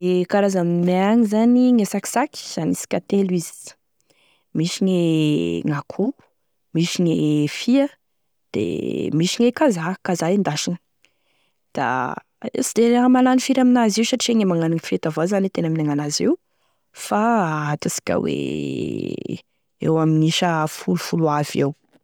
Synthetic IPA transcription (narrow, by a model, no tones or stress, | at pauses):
kaɾazammeaɲizaniŋesaki̥sakʲi̥z̥anisi̥kʲat̪elizi̥ | miʃiɲeŋakʰu | miʃiɲefiə | d̪̥ḛmiʃiŋekazakazaind̪aʃin | d̪̥a̰ | sid̪eamalanifiɾaminaziwʃaʈ͡ʂieŋemaŋaniŋfet̪avozanit̪enaminaŋanaziw | faat̪usi̥kʲa̰wḛ | ḛwaminiʃəfulufuluavew